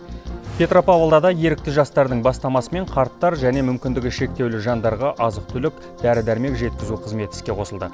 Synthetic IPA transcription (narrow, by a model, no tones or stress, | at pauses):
pʲʰe̞t̪ɾo̞pavolˠd̪ɑd̪ɑje̞ɾɪk̚t̪ɪʒɑst̪ɑɾd̪əɴbɑst̪ɑmɑsəme̞ɴqʰɑɾt̪ːɑɾʒæne̞mʏmkʲɪnd̪ɪɡʲɪʃe̞k̚t̪e̞wlɪʒɑnd̪ɑɾʁɑʔɑzəq̚t̪ʰʏlɪk | d̪æɾɪd̪æɾme̞kʒe̞t̪̚kʲɪzuqʰəzme̞t̪ɪ̥skʲe̞qʰo̞səlˠd̪ə̰